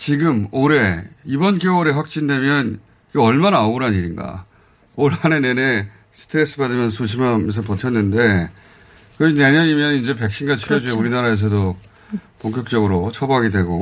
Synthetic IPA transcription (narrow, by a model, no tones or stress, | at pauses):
t͡ɕiɡɯmoɾe̞ibʌnkjooɾe̞ɸwak̚t͡ɕ͈indwe̞mjʌn | iɡeʌɭmanauɾɦaniɾinɡa̰ | oɾɦane̞ne̞ne̞ | sʰɯ̥tʰɯɾe̞s͈ɯbadɯmjʌnsʰuɕ̬ʰimams̬ʰʌpʌtʰjʌnːɯnde̞ | kɯʌine̞ɲʌɲimjʌnind͡ʑe̞p̬e̞k̚ɕ͈inɡat͡ɕʰiɾjʌd͡ʑueuɾinaɾae̞s̬ʰʌdo | poŋk̬͈ʲjʌk̚t͡ɕ͈ʌɡɯɾot͡ɕʰʌbaɦaɡidwe̞ɡo